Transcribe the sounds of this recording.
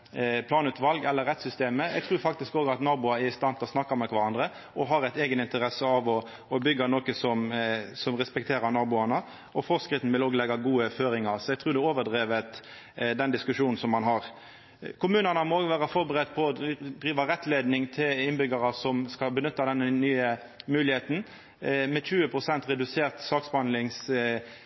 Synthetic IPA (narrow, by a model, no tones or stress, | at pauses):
pʰlɑːnʉːt̪ʋɑlɡɛlːəɾːɛt̪sʏst̪eːməɛ̰ɡt̪ʰʁʉːɾfɑk̚t̪ɪskoːɡɑt̪nɑːbʊɑæɾɪst̪ɑnt̪ɑsnɑkːɑmɛkʰʋɑɾɑnd̪ɾə | ʔɔɦɑɾæɪt̪eːɡənɪnt̪əɾɛsəɑʋɔː | bʏɡːɑnoːkəsɔmsɔmʁɛspɛkt̪ʰeːɾɑɾnɑːbʊɑnə | ʔɔfɔʁskɾɪt̪ːn̩ʋɪloːɡəlɛɡɑɡuːəføːɾɪŋɑɾsɔɛɪɡ̚t̪ʰɾʉːɾd̪ɛoːʋədʁeːʋət̪ | d̪ɛnd̪ɪskʉʂuːnn̩sɔmːɑnɦɑʁ | kʰʊmʉːnənəmɔoːɡəʋæːʁɑfɔɾbəɾɛt̪ːpʰɔɔd̪ʁiːʋɑɾɛt̪ːleːd̪nɪŋt̪ʰɪlɪnbʏɡɑɾɑsɔmskɑbənʏt̪ːɑd̪ɛnːənyːə | mʉːlɪheːt̪n̩ | mɛt͡ʃʉːəpʰʁʊsɛnt̪ʁɛd̪ʉseːʁt̪sɑːksbɑnd̪lɪŋs